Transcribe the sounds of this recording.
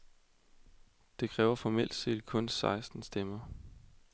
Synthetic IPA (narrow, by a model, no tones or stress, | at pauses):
d̥e̝kʰʁɛːʊɐfɒmel̰d̥se̝̰ːd̥̚kʰɔ̽nsɑ̈ɪsd̥n̩sd̥emɐ